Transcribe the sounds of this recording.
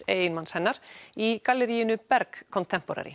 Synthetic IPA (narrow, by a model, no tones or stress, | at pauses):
eːjɪnmanshɛnːaɾ̥ikalːɛɾijɪnʏpɛɾkʰːɔnt̪ʰɛm̥pɔɾa̰ɾɪ̰